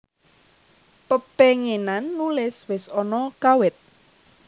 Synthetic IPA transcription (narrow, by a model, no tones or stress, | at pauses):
pəpeŋenanːulɪswɪsɔnɔkawɪt̪̚